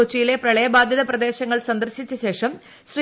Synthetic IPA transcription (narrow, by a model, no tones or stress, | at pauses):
ut͡ɕːijile̞prɐɭɐjɐbaːd̪ʱjɐðɐprɐd̪e̞ːɕɐŋːɐɭsɐnd̪ɐrɕit͡ɕːuɕe̞ːʂɐm | ɕri